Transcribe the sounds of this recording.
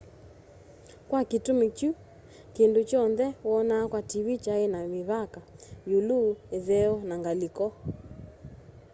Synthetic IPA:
kwakitumiku | kindut͡ʃɔnðɛwɔnakwatiβit͡ʃaenamiβakajulueðɛɔnaŋɡalikɔ

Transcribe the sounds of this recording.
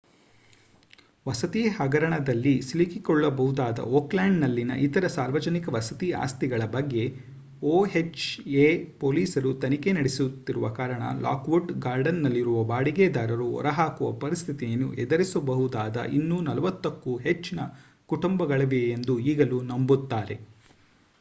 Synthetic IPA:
ʋɐsɐt̪iːhɐɡɐɾɐɳɐd̪ɐlːisilikikɔɭːɐbɐɦud̪aːd̪ɐ̰oːklaːɳɖnɐlːinɐ̰ʔit̪ɐɾɐsaːɾʋɐd͡ʒɐnikɐʋɐsɐt̪iːa̰ːst̪iɡɐɭɐbɐɡːe̞ | oːɦet͡ʃeːpoːliːsɐɾut̪ɐnikenɐɽesut̪ːiɾuʋɐkaːɾɐɳɐ̰la̰ːkʋuɖɡaːɾɖɐnːɐlːiɾuʋɐbaːɽiɡed̪aːɾɐɾuɔ̰ɾɐɦaːkuʋɐ̰pɐɾist̪ʰit̪ijɐnːṵʔɛd̪ɐɾisɐbɐɦud̪aːd̪ɐ̰ʔinːunɐlɐʋɐt̪ːɐkːuɦet͡ʃːinɐ | kuʈumbɐɡɐɭɐʋejend̪uiːɡɐlunɐmbut̪ːaːɾe̞̰

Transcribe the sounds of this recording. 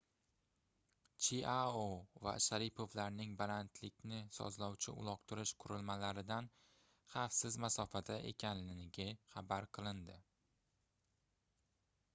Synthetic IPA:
t͡ʃʰiaova̰ʃaɾɪpʰo̞vlaɾnɪŋbalant̪ʰlɪkʲnɪsɒ̰zlɒwt͡ʃʰɪʊ̰lˠɒq̚t̪ʰʊɾɪʃqʰʊɾɪlmalaɾɪd̪an | χafsɪzmasɒfad̪aʔe̞̰kʲʰanlɪnɪɡʲaχabaɾqʰɨlˠɪnd̪ɪ

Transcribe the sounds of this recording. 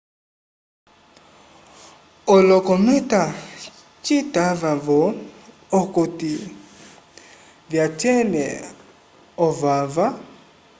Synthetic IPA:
ɔlɔkɔmɛta | t͡ʃitavavɔː | koti | vjat͡ʃɛnɛ | ɔvava

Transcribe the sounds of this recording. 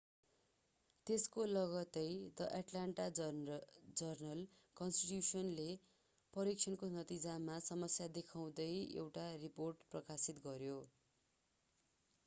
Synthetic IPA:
t̪eskolʌɡʌt̪ʌjt̪ʌʔaʈlaɳʈa | d͡zʌrnʌl | kʌnsʈiʈjusʌnle | pʌɾikt͡sʰʌnkonʌt̪id͡zamasʌmʌsjad̪ekʰaw̃d̪ʌjḛwʈariporʈprʌkasit̪ɡʌɾjo

